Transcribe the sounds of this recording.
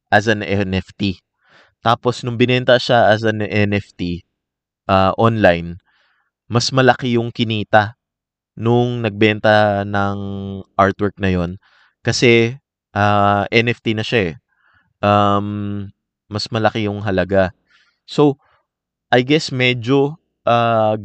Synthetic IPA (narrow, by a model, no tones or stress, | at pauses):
ʔɐsɐnɛnɛft̪i | t̪aːpo̞snʊŋbɪnɛnt̪ɐʃaʔɐs̬ɐnʔɛnɛft̪i | ʔaːʔonlajn | mɐsmɐlɐkɪjʊŋkɪniːt̪ɐ | nʊŋnɐɡ̚bɛnt̪ɐnɐŋʔaɹt̪wɛɹk̚nɐjo̞n | kɐsɛ | ʔaːʔɛnɛft̪inɐʃaɛ | ʔɐmː | ɐsmɐlɐkɪjʊŋɦɐlɐɡa | so̞ | ʔɐjɡɛsmɛd͡ʒo̞ | ʔa